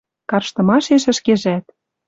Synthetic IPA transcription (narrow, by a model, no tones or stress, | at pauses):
kɑrʃt̪ɤ̆mɑʃeʃɘ̆ʃkeʒæt̪̚